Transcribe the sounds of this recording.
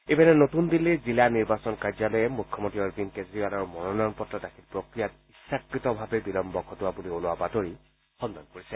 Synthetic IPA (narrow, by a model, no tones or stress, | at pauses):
ebanɛnotundilːizilaniɹbasɔnkaɹzalɔjɛmukʰːɔmontiɔɹbinkezɹibalaɹumɔnɔnɔnpɔtɹadakʰilpɹokɹijat | isːakɹitɔbʱabɛbilɔmbɔkʰɔtʊwabuliolʊwabatoɹi | xɔndɔnkoɹisɛ